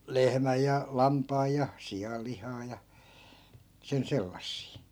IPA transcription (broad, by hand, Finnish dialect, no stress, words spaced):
lehmæj jɑ lɑmpɑːj jɑ sij̆ɑl lihɑː jɑ sen selːɑsːiː